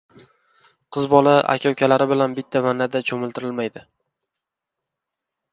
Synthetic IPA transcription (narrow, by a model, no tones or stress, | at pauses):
qʰɨzbɒlaʔa̰kʲʰawkʲʰalaɾɪbɪlanbɪt̪ʰːavanːad̪at͡ʃʰɵmɪlˠt̪ʰɪɾɪlmajd̪ɪ